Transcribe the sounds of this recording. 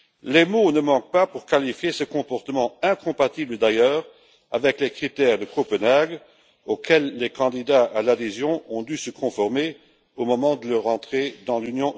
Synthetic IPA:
lemonəmɑ̃k̚papuʁkalifjesəkɔ̃pɔʁt̪əmɑ̃ɛ̃kɔ̃pat̪ibləd̪ajœːʁ | a̰vɛklekχit̪ɛʁd̪əkopənaɡ | okʰɛlːekɑ̃d̪id̪aalad̪ezjɔ̃ɔ̃d̪ysəkʰɔ̃fɔʁme | omɔmɑ̃d̪ələʁɑ̃t̪χed̪ɑ̃lynjɔ̃

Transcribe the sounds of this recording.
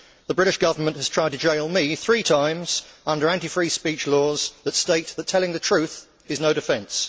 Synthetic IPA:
ðəbɹɪɾɪʃɡ̥ʌvənmə̃nʔhəz̥tʰɹ̥aɪd̚tʰəd͡ʒeɪlˠmiθɹiːtʰãɪ̃mz̥ʌ̃ndəɹæ̃ntifɹiːspiˑt͡ʃlɔːzðətsteɪʔ̪̚ðətʰɛlɪ̃ŋðətʰɹ̥ʉˑθ | ɪznəʊɾɪfɛ̃ns

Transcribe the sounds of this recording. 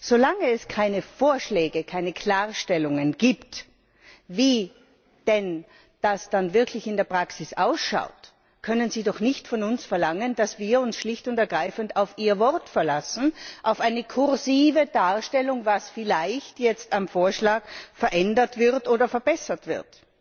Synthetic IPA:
z̥olaŋəɛskʰaɪnəfoːɐʃlɛːɡəkʰaɪnəkʰl̥aːɐʃtɛlʊŋənɡiːpt | viː | d̥ɛn | d̥asd̥anvɪɐkʰlɪçɪndeːɐpʁ̥aksɪsʔaʊsʃa̰ʊt | kʰœnənziːdɔχnɪçtfɔnʊnsfɛɐlaŋənd̥asv̥iːɐʊnsʃlɪçtʊntɛɐɡʁaɪfəntaʊfiːɐvɔʁtfɛɐlasn̩ʔaʊfaɪnəkʰʊʁziːvəd̥aːɐʃtɛlʊŋvasfɪlaɪçtjɛt͡stamfoːɐʃlaːkfɛɐʔɛndɐtv̥ɪʁtʔoːdɐfɛɐbɛsɐtv̥ɪ̰ɐt

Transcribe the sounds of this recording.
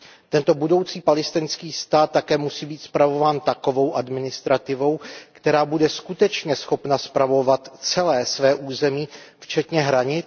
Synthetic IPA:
t̪ɛnt̪o̞budo̞wt͡siːpalɪst̪ɪnskiːst̪aːt̪̚ːakɛːmusiːbiːt̪spɾavo̞vaːnt̪ako̞vo̞wʔadmɪnɪst̪ɾat̪ɪvo̞wkt̪ɛɾaːbudɛskut̪ɛt͡ʃɲɛsxo̞pnaspɾavo̞vat̪t͡sɛlɛːsvɛːʔuːzɛmiːft͡ʃɛt̪ɲɛɦɾaɲɪt͡s

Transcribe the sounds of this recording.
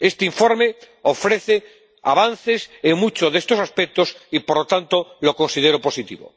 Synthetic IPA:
est̪eiɱfoɾme | ofɾeθe | a̰βan̟θeseŋmut͡ʃoðest̪o̞saspek̚t̪osipoɾlot̪ant̪olokonsið̞eɾopo̞sit̪ḭβo̰

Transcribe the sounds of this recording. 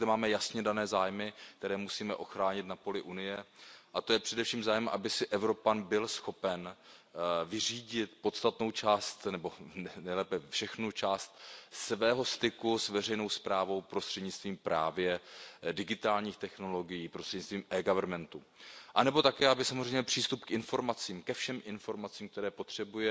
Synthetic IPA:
d̪ɛmaːmɛjasɲɛdanɛːzaːjmɪk̚t̪ɛɾɛːmusiːmɛʔo̞xɾaːɲɪt̪napo̞lɪʔunɪjɛʔat̪o̞jɛpr̝̥ɛdɛfʃiːmzaːjɛmʔa̰bɪsɪʔɛvɾo̞panbɪlsxo̞pɛn | vɪriːɟɪt̪po̞t̪st̪at̪no̞wt͡ʃaːst̪nɛbo̞nɛjlɛːpɛfʃɛxnut͡ʃaːst̪sɛvɛːɦo̞st̪ɪkusvɛr̝ɛjno̞wspɾaːvo̞wpɾost̪r̥ɛdɲɪt͡st̪viːmpɾa̰ːvjɛdɪɡɪt̪aːlɲiːxt̪ɛxno̞lo̞ɡɪjiːpɾost̪r̥ɛd̪ɲɪt͡st̪viːmʔɛːɡavɛɾmɛnt̪u | ʔanɛbo̞t̪akɛːʔabɪsamozrɛjɲɛpr̥iːst̪upkʔɪnfo̞ɾmat͡siːmkɛfʃɛmʔɪnfo̞ɾmat͡siːmkt̪ɛɾɛːpo̞t̪r̝̥ɛbujɛ

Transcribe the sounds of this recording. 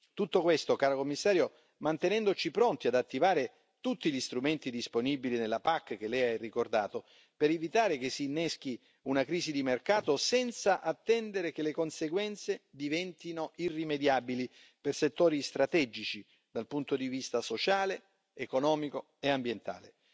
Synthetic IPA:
t̪ut̪ːokwest̪okaːɾokomːisːaːɾjo | mant̪enɛnd̪ot͡ʃipɾont̪iad̪at̪ːivaːɾe | t̪ut̪ːiʎist̪ɾument̪id̪isponibilinelːapakːk̟elɛjarːikord̪aːt̪o | peɾevit̪aːɾekesːinːɛsk̟i | unakɾiːzid̪imerkaːt̪osɛnt̪saʔat̪ːɛnd̪eɾekelekonseɡwɛnt̪sed̪ivɛnt̪inoʔirːimed̪jaːbili | perset̪ːoːɾist̪ɾat̪ɛd͡ʒit͡ʃi | d̪alpunt̪od̪ivist̪asot͡ʃaːleː | konɔːmiko | eambjent̪a̰ːle

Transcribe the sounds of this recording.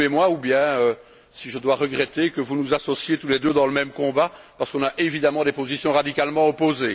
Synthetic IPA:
emwaubjɛ̃ø | siʒəd̪waʁəɡʁɛt̪ekəvunuzasɔsjet̪uled̪ød̪ɑ̃ləmɛmkɔ̃ba | paʁsə̥kɔ̃naʔevid̪amɑ̃d̪epozisjɔ̃ʁad̪ikʲalmɑ̃ɔpoze

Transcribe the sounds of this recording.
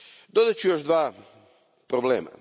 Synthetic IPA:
d̪od̪at͡ɕujoʒd̪ʋaː | pɾoblḛːma̰

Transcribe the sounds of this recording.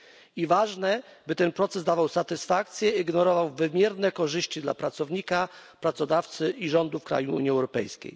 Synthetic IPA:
ivaʐnɛbɘt̪ɛnpɾɔt̪sɛsd̪avawsat̪ɘsfak̚t̪sʲjɛiɡnɔɾɔvawvɘmʲjɛɾnɛkɔʐɘɕt͡ɕid̪la̰pɾat̪sɔvɲikapɾat̪sɔd̪aft̪sɘiʐɔnd̪ufkɾa̰juṵɲiɛwɾɔpɛ̰jskʲḛj

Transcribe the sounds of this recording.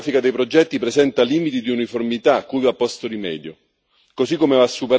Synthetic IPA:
fikad̪ejpɾod͡ʒɛt̪ːipɾezɛnt̪aliːmit̪id̪iuniformit̪akːujvapːɔst̪oɾimɛ̰ːd̪jo | kosikːomevasːupeɾ

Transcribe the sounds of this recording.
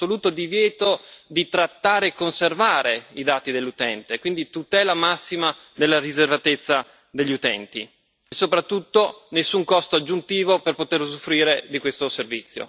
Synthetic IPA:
oluːt̪od̪ivjɛːt̪od̪it̪ɾat̪ːaːɾeːkːonservaːɾeid̪aːt̪id̪elːut̪ɛnt̪ekwind̪it̪ut̪ɛːlamasːima | d̪elːarizervat̪et̪sːa | d̪eʎːiut̪ɛnt̪ḭ | sːopɾat̪ːut̪ːonesːuŋkɔst̪oad͡ʒːunt̪iːvoperpot̪ersofːɾiːɾed̪ikwest̪oservit̪sːjo̰

